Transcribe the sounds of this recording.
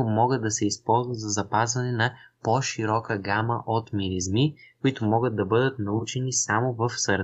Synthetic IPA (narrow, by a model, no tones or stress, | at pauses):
mɔɡəd̪ːɐsɛispɔlˠzvɐt̪zɐzɐpazvɐnɛnɐpoʃiɾɔkəɡaməʔot̪miɾizmikʊit̪ʊmɔɡəd̪̚d̪ɐbɤd̪ət̪nɐut͡ʃɛnisamovɐfsəɾ